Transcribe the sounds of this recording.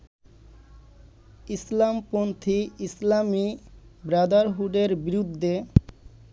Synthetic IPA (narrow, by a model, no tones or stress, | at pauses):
islampɾont̪ʰiislamibɾad̪aɾɦuɖeɾbiɾud̪ʱːe